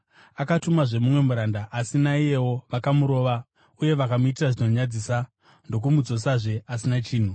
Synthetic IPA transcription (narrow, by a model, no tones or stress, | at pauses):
akatumaʐe̞mumwe̞muɾandaʔːsinaije̞wo̞ʋakamuɾo̞ːʋa | uje̞ʋakamuitiraʐino̞ɲad͡ziːsa | ndo̞k̬umud͡zo̞saʐe̞asinat͡ʃiːn̤u